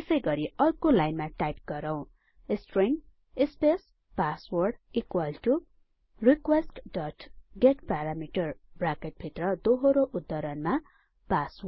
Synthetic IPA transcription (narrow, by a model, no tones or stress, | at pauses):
esʌjɡʌɾiʌrkolajnmaʈajp̚ɡ̥ʌɾʌw̃ | esʈriŋ | espes | paswʌrɖikwalʈu | rikwesʈɖʌʈɡeʈpaɾamiʈʌrbrakeʈ̚bʱit̪rʌd̪oɦoɾoʔud̪ːʌɾʌnma | pasw